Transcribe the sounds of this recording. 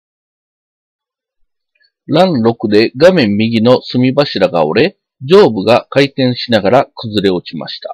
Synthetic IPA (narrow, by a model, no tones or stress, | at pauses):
ɾãnɾo̞kɯ̟d̪e̞ɡamẽ̞mːʲiɡʲino̞sɨmʲibaɕiɾaɡa̰o̞̰ɾe̞ | d͡ʑo̞ːbɯ̟ɡakait̪ẽ̞ɰ̃ɕinaɡaɾakɯ̟zɨɾe̞o̞t͡ɕima̰ɕi̥t̪ḁ̰